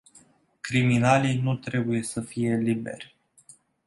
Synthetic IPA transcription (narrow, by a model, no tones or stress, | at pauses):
kɾiminalinut̪ɾe̞buje̞səfije̞libe̞̰rʲ